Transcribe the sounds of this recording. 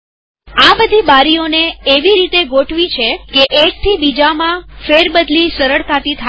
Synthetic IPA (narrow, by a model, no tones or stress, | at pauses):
abəd̪ʱibaɾijoneeʋiɾit̪eɡoʈʋit͡ʃʰekeʔek̚t̪ʰibid͡ʒamãfeɾbəd̪lisəɾəɭk̪ʰat̪it̪ʰa